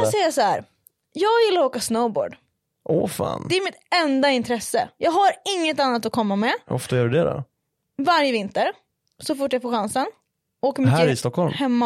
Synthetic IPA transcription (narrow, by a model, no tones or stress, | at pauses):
assɛjːasɔhæːɾ | jɑːɡjɪlːaɾoːkasnowbo̰ːɖ | ʔɔfɑ̰ːnd̪ɛæɾmɪt̪ɛnd̪aɪnt̪ʰɾɛsːə̰jɑːɡhaɾɪŋːət̪anːat̪ɔkʰɔmːamɛɔ̰ft̪ajœːɾɖɛd̪ɛ̰ɾ | vaɾjəvɪnt̪əɾ | sɔfʊʈːjaɡfoːɧansən | oːkəɾmɪjɾɪst̪ɔkhɔlmhɛmːa